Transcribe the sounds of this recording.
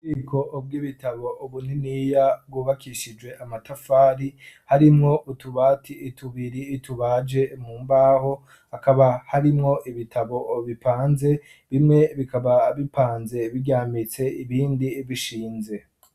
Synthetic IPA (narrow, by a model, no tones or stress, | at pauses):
uɡiːkʰo̞ʔb̚ɡiβitaβo̞ʔuβun̥inijab̚ɡuβakʰiʃid͡ʒwe̞ʔamatafaːɾihaɾimŋo̞ʔutuβaːtʰiʔːtuβiɾiːtʰuβad͡ʒe̞muːmbaːho̞ | akaβahaɾimŋo̞ʔiβitʰaβo̞βipaːnze̞ | βimŋe̞βikaβaβipʰaːnze̞βiɟaːmit͡se̞iβiːndiβiʃiːnze̞